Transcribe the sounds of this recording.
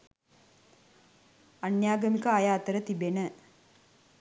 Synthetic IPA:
anjaːɡəmikəajaːt̪əɾət̪ibenə

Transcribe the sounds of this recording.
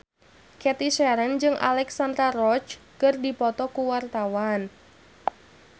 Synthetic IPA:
kɛt̪isɛɾənd͡ʒɨŋʔa̰lɛksand̪ɾarɔt͡ʃ | kɨrdipɔt̪ɔkuwart̪awan

